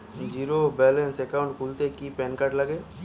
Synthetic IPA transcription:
d͡ʒiːɾobɛːlẽnsekaʊ̃ɳʈkʰult̪ekipɛ̃ːnkaʈləɡeː

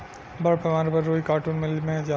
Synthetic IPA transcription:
bɐɾpɐmaːɾpɐɾːoːikaːɾʈuːnmɪlmẽd͡ʒaː

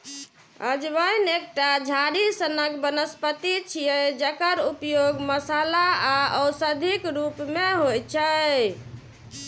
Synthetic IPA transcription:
əd͡ʒbəjnek̚ʈad͡ʒʱaɾisənəkbənəspət̪it͡ʃʰijɛd͡ʒəkəɾupjoɡməsalaaəwsəd̪ʱikɾupmeɦojt͡ʃʰə

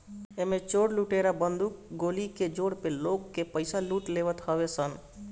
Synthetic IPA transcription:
emẽt͡ʃoːɽluʈeɾabənd̪ʱukɡoliked͡ʒoːɽpeloɡkepəɪsaluːʈleʋət̪ɦəʋesən

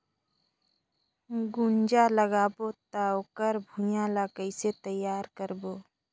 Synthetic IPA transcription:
ɡund͡ʒaləɡaːbot̪aoːkəɾbʱũjalakəɪset̪əjaːɾkəɾbo

